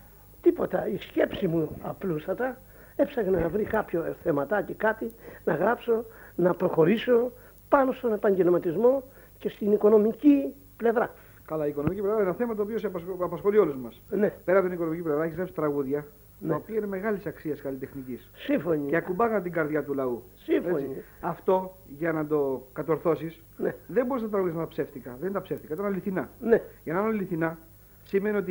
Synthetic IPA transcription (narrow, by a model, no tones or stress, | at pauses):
t̪ipo̞t̪ɐisce̞psimuɐplust̪ɐt̪ɐ | e̞psɐɣenɐnɐvɾikɐpçoθe̞mɐt̪ɐcekɐt̪inɐɣɾɐpso̞nɐpɾo̞xo̞ɾiso̞ | pɐno̞st̪o̞ne̞pɐɲɟe̞lmɐt̪izmo̞ | ce̞st̪iniko̞no̞mici | ple̞vɾɐ | kɐlɐiːkono̞miciplvɾaenɐθe̞mɐt̪̬oːpioseɐpɐsxo̞lio̞luzmɐsne̞pe̞ɾɐot̪inikonomiciplevɾɐeçzlepsi̥t̪ɾɐɣuðʝɐ | nɐopiɐineme̞ɣɐlisɐksiɐskɐlit̪e̞xnicissiɱfoɲieɐkumbɐɣɐnt̪iɡɐɾðʝɐt̪ulɐusifeot͡siɐft̪o̞ʝɐnɐd̪o̞kɐt̪o̞ɾθo̞sis | neðe̞mbo̞ɾiznɐt̪ɾɐɣuðjiznɐt̪ɐpse̞ft̪ikɐðend̪ɐpse̞ft̪ikɐit̪ɐnɐliθinɐneʝɐnɐinɐɐliθinɐ | simenio̞t̪i